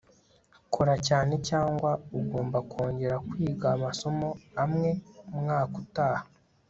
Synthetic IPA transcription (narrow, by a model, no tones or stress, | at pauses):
kʰoɾacaːne̞caːŋɡwauɡoːmbakʰo̞ːɲɟe̞ɾakwiːɡaːmaso̞mo̞amŋe̞umŋaːkutaːha